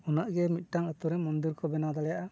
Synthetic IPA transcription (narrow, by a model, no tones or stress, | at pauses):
unaʔɡɛmit̪̚ˀʈaŋət̪uɾɛmɔnd̪iɾkɔbɛnad̪alɛjaʔa